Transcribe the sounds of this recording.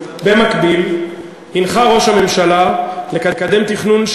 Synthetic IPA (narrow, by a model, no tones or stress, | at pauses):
be̞makbil | hinχaʁo̞ʃhame̞mʃalale̞kakad̪e̞mt̪iχnunʃ